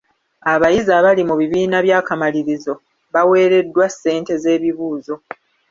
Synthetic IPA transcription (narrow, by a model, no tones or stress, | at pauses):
aβajizaβalimuβiβiːnaβjaːkamaliɾizo̞ | βawe̞ːɾe̞dːwasːe̞ːnte̞ze̞ːβiβuːzo̞